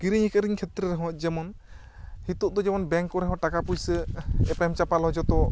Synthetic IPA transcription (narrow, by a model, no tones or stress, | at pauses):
ɡiɾiɲikəɾiɲkʰɛt̪ɾɛɾɛɦɔ̃t̪̚d͡ʒɛmɔn | hit̪ɔʔ̚d̪ɔd͡ʒɛmɔnbɛŋkɔɾɛɦɔ̃ʈakapujsəɛpamt͡ʃapalɦɔd͡ʒɔt̪ɔ